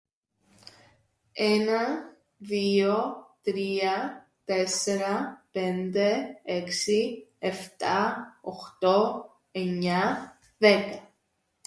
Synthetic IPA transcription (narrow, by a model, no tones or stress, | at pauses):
enɐ | ðiot̪ɾiɐ | t̪eseɾɐpend̪eeksieft̪aoxt̪o | eɲa | ðekɐ